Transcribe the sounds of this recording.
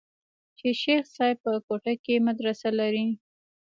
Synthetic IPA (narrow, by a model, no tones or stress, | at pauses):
t͡ʃeʃexsɑjpəkoʈakemad̪ɾasalaɾi